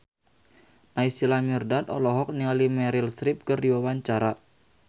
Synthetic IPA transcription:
naisilamirdat̪ɔ̰lɔɦɔk̚nialimɛɾilsɾɪp̚kərdiwawaɲt͡ʃaɾa

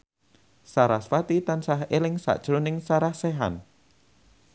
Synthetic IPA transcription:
saɾahsfwat̪it̪ansaɦelɪŋsa̰ʔd̥ʒ̥ɾonɪŋsaɾahsɛɦa̰n

